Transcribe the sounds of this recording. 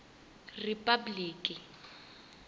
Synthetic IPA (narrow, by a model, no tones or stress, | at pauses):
ripʼabliːkʼɪ